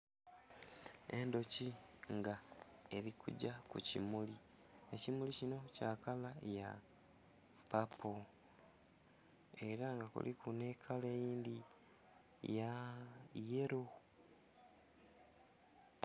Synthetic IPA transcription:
e̞ndo̞ci | ŋɡae̞ɾikʰṵɟakṵcḭmuli | ecimulicino̞caːkalaja | papʰo | e̞ɾaŋɡakṵlikune̞ːkʰale̞jiːndi | ja | jeɾo

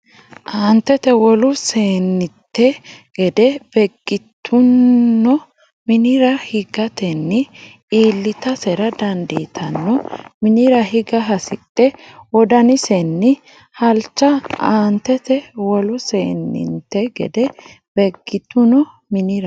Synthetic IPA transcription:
ʔaːnt̪ɛt̪ɛwɔlʊseːnːɪt̪ːɛɡ̥ɛd̪ɛb̥ɛɡbːɪt̪ʰːʊnːɔ | mɪnɪɾɐhɪɡɐt̪ɛnːɪ | iːlːɪt̪ɐsɛɾɐd̪ɐnd̪iːt̪ʰɐnːɔmɪnɪɾɐhɪɡɐɦɐsɪt̪ʼːɛwɔd̪ɐnɪsɛnːɪ | hɐlt͡ʃːɐaːnt̪ːɛt̪ɛwɔlʊseːnːɪ̰nt̪ːɛɡɛ̰d̪ɛ | b̥ɛɡːɪt̪ːʊnɔ | mɪnɪɾɐ

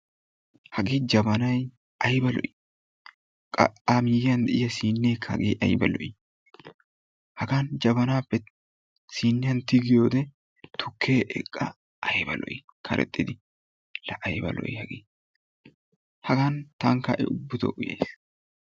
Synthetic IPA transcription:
hɐɡeːd͡ʒɐbɐnɐj | ʔɐjbɐlɔ̰ʔɪ̥ | kʼɐamɪjjand̪ɛʔɪjɐsiːnːeːkʰːɐ̰ɡeːʔɐjbɐ̰lɔ̰ʔɪ | hɐɡaːnd͡ʒɐbɐnaːpːɛ | siːnːɪjɐnt̪ɪɡɪjoːd̪ɛ | t̪ʰʊkʰːeːʔɛ̰kʼːɐ̰ | ʔɐjbɐ̰lɔ̰ʔɪ | kʰɐɾʔɛ̰t̪ʼːɪd̪ɪ | lɐʔɐjbɐ̰lɔ̰ʔɪhɐɡeː | hɐɡant̪ɐŋkːɐʔɛ̰ʊbːʊt̪ɔ̰ʔʊjḛjs

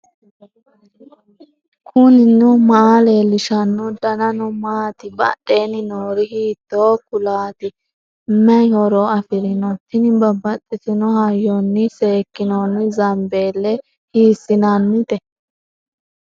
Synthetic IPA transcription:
kʰʊnɪnːʊmaleːlːɪʃɐnːʊd̪ɐnɐnɔmaːt̪ɪbɐ̰ɗeːnɪnoːɾɪhiːt̪ːoːkʊlaːt̪ɪ | mɛhɔɾɔɐfɪɾɪnɔt̪ːɪnɪbɐbːɐt͡sʼːɪsɪnɔhɐjːɔnːɪse̞ːkːɪnɔnɪzɐmbeːlːɛ | hiːsɪnanmɪt̪ɛ

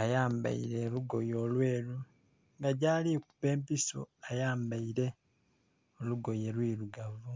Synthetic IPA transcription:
ajaːmba̰iɾe̞luɡo̞jo̞ːlwe̞ːlu | ŋɡaɟaliku̥pe̞ːmpiso̰ajaːmbaiɾe̞ | oluɡo̞je̞lwiːluɡavu

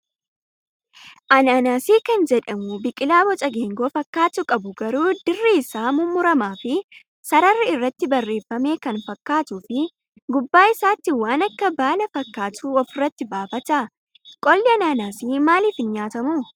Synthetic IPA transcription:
ʔɐnaːnaːsiːkɐnd͡ʒɛᶑɐmʊbɪkʼɪlaːbɔt͡ʃʼɐɡeːŋɡoːfɐkːaːt͡ʃ̪ːʊkʼɐbʊɡɐɾuːd̪ɪrːiːsaːmʊmːʊɾɐmaːfɪ | sɐɾɐrːɪɪrːɐt̪ːɪbɐrːe̞ːfɐme̞ːkɐnfɐkːaːt̪uːfɪ | ɡʊbːaːɪsaːt̪ːɪwaːnɐkːɐbaːlɐfɐkːaːt̪uːɔfɪrːɐt̪ːɪbaːfɐt̪ɐ | kʼɔlːɪɐnaːnaːsiːmaːlɪfɪnɲaːt̪ɐmuː

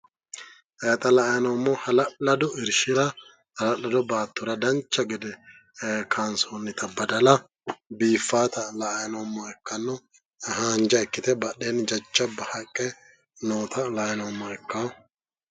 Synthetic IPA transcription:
ʔɛːt̪ɐlɐʔɐjɐnɔmːɔhɐlɐʔːɐd̪ɔɪɾʃɪɾɐ | hɐlɐlːɐd̪ɔbaːt̪ːʊɾɐd̪ɐnt͡ʃːɐɡɛd̪ɛ | kʰaːnsonːɪt̪ɐbɐd̪ɐlɐ | biːfːaːt̪ɐlɐːjnɔːmːɔɛkːɐnːɔ | haːnd͡ʒɐɛkːɪt̪ɛbɐɗeːnd͡ʒɐt͡ʃːɐbɐhɐkʼːɛ | noːt̪ʰɐlɐjnɔmːɔɛkːa

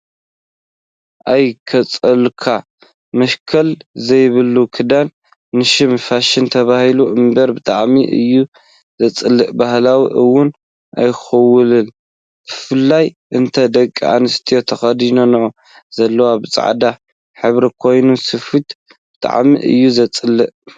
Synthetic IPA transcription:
ʔajkʰɐt͡sʼɐlkʰa | mɐʃkʰɐlzɐjβɨlːukʰɨd̪anː | ɨʃɪmfaʃɪnt̪ʰɐβahiluʔɨmbɐɾbɨt̪ʼaʕmiʔɨ̰jːu | zɐt͡sʼɨlːɨʔbahlawḭʔɨwʊn | ʔa̰jxɐwʊlɨn | b̥ɨfɨlːaj | ʔɨnt̪ʰɐd̪ɐkʼːia̰nɨst̪ʰijo̞t̪ʰɐxɐd̪ino̞nʕo | z̥ɐlːɐwabɨt͡sʼa̰ʕ̰d̪a | ħɨβɾɐkʰo̞jnusɨfɨt̪ | b̥ɨt̪ʼa̰ʕmḭʔɨ̰jːuzɐt͡sʼɨlːɨʔ

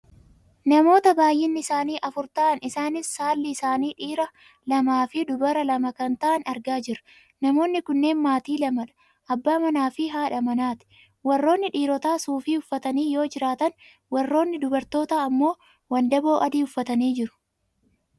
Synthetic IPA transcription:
nɐmo̞ːt̪ɐbaːjːɪnːɪɪsaːniːʔɐfʊɾt̪aːʔɐnɪsaːnɪsːaːlːɪːsaːniːᶑiːɾɐ | lɐmaːfɪd̪ʊbɐɾɐlɐmɐkɐnt̪ɐʔɐnɐɾɡaːd͡ʒɪɾʊ̥ | nɐmo̞ːnːɪkʊnːe̞ːnmaːt̪iːlɐmɐᶑɐ̥ | ʔɐbːaːmɐnaːfɪɦaːᶑɐmɐnaːt̪ɪ̥ | wɐrːo̞ːnːɪᶑiːɾɔt̪aːsuːfiːʊfːɐt̪ɐniːjo̞ːd͡ʒɪɾaːt̪ɐn | wɐrːo̞ːnːɪd̪ʊbɐɾt̪o̞ːt̪aːɐmːo̞ː | wɐnd̪ɐbo̞ːʔɐd̪iːʊfːɐt̪ɐniːd͡ʒɪɾʊ̥

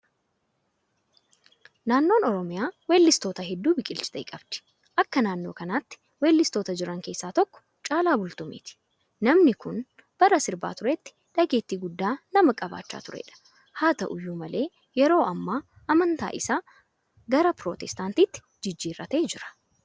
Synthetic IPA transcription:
naːnːo̞ːnɔɾɔmɪjaːweːlːɪst̪o̞ːt̪ɐɦɛd̪ːuːbɪkʼɪlt͡ʃɪ̥t̪ɐjkʼɐbd̪̥ɪ̥ | ʔɐkːɐnaːnːo̞ːkɐnaːt̪ːɪ̥ | weːlːɪst̪oːt̪ɐd͡ʒɪɾɐŋke̞ːsːaːt̪ɔkːɔ̥ | t͡ʃʼaːlaːbʊlt̪ʊmḛːt̪ɪ̥ | nɐmnɪkʊn | b̥ɐɾɐsɪɾba̰ːt̪ʊɾɛt̪ːɪ̥ | ᶑɐɡe̞ːt̪ːiːɡʊd̪ːaːnɐmɐkʼɐba̰ːt͡ʃːa̰ːt̪ʊɾɛ̰ːᶑɐ̥ | haːt̪ɐʔʊjːuːmɐlʔe̞ː | jɛɾo̞ːʔɐmːaː | ʔɐmɐnt̪a̰ːʔɪsaː | ɡɐɾɐpɾoːt̪ɛst̪aːnt̪iːt̪ːɪ̥ | d͡ʒɪd͡ʒːiːrːɐt̪e̞ːd͡ʒɪɾɐ̥

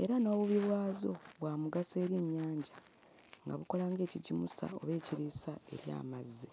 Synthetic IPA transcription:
e̞̰ɾano̞ːβuβiβwaːzo̞βwaːmuɡase̞ːɾje̞ɲːaːɲɟa | ŋɡa̰βuko̞laːŋɡe̞ːciɟimusa̰o̞βe̞ːciɾisae̞̰ɾja̰ːmazːi

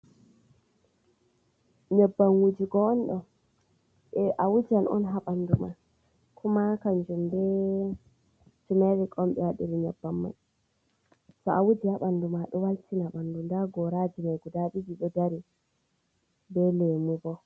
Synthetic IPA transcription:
ɲɔbːaŋwud͡ʒiɡɔːnɗɔ | ɛʔawud͡ʒanʔɔ̰nɦaɓanduma | kʰumakand͡ʒumbɛ | sumɛwɛkʼɔmɓɛwaɗiɾiɲɔbːamːa̰j | sɔawud͡ʒihaɓandumaɗɔwaltʰinaɓandundaɡɔɾad͡ʒimajɡudaɓid͡ʒiɗɔdaɾi | bɛlemubɔ

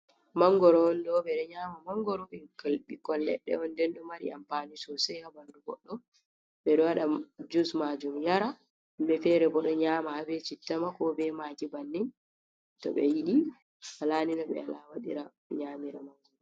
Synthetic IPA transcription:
maŋɡɔɾɔndɔbɛɗɔɲaːmamaŋɡɔɾɔɛkalɓikɔllɛ̰ɗːɛ̰ɔndɛnɗumaɾḭa̰mpanisɔsɛhabanduɡɔ̰ɗːɔ | ɓɛɗɔwaɗad͡ʒusmad͡ʒumjaɾa | mbɛfɛɾɛbɔɗɔɲaːmahabɛt͡ʃitːamakɔbɛmakibanːin | tɔ̰ɓɛ̰jiɗi | halaːninɔɓɛ̰a̰lawaɗḭɾa | ɲaːmiɾamaŋɡɔ

